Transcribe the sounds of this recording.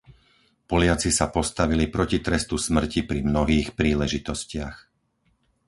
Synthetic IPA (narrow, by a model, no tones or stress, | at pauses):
pɔlɪat͡sisapɔst̪aʋilipɾɔcit̪ɾɛst̪usmr̩cipɾimnɔɦiːxpɾiːlɛʒit̪ɔscɪax